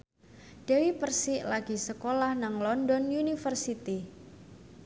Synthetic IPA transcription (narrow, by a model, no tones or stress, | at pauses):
d̥awipərsɪʔlaɡ̥isəkolahnaŋlɔndɔnjunifərsit̪i